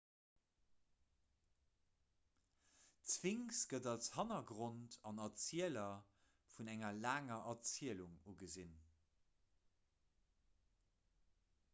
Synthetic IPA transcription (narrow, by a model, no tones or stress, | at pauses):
t͡sv̥iŋsɡ̥ədɑlshɑnɐɡʁontʰɑnɐt͡siəlɐ | funæŋɐlaːŋɐʔɐt͡siəluŋuɡəzin